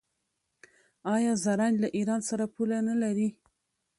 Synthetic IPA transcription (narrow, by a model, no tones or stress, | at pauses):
ɑjɑzaɾanlaʔiɾɑnsaɾapulanalaɾi